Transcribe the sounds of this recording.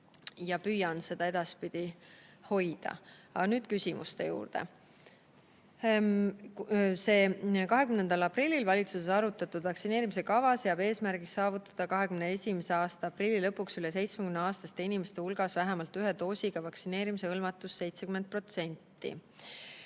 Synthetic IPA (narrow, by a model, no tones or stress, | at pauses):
jɑpyjɑnse̞d̪̥ɑe̞d̪̥ɑspid̪̥iho̞jd̪̥ɑ̰ɑnyːd̪̥kysimṵst̪e̞̰jṵːrd̪̥e̞̰ | se̞ːkɑɦe̞kymnend̪ɑlɑprilʲːilvɑlʲit̪susesɑɾut̪ːˑɑt̪ːˑud̪̥vɑksine̞ːɾimis̬e̞kɑvɑsjɑbe̞ːsmæɾɡiksɑːvut̪ːˑɑ̥d̪̥ɑkɑɦe̞kymnee̞sʲimeseɑːst̪ɑɑprilʲːilɤpːˑuksyles̬e̞jt̪smekymneɑːst̪ɑst̪einimest̪eulɡ̥ɑsvæɦemɑlt̪yɦet̪o̞ːsʲiɡ̥ɑvɑksine̞ːɾimise̞ɤlmɑt̪ːˑusːe̞jt̪sekymen̚pro̞t̪se̞nʲt̪ːḭ